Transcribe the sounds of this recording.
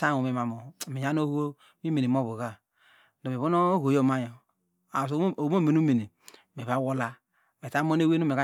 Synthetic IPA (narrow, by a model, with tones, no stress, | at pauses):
ta˦˨o˨me˨ma˨mo˨mi˨ja˦no˦ho˦ | mi˦me˨ni˨m˦o˦˨βu˨ɣa˦ | do˨me˨βo˦no˦ɣʷo˨jo˦˨ma˦jo˨ | a˨s̬mo˦˨me˨nu˦me˨ni˨ | m˨e˨βa˦wo˦la˦˨ | m˨e˨ta˦mo˦ne˦we˦no˦me˨ka˦